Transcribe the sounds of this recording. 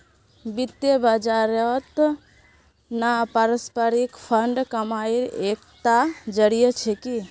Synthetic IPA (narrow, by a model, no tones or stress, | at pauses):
bit̪jebəd͡ʒaɾət̪ | napəɾəspəɾikpʰəɳɖkəmaiɾekt̪ad͡ʒəɽijət͡ʃʰeki